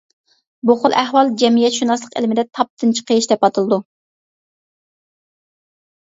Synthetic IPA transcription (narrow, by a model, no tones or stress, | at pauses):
boχʊlˠʔæhwɑlˠd͡ʒɛmijɛt̪ʃunɑslˠəqḛlmɪd̪ɛt̪ʰɑp̚t̪ʰɨnt͡ʃʰi̥qʰəjiʃd̪ɛpɑt̪ʰɨlˠɨd̪u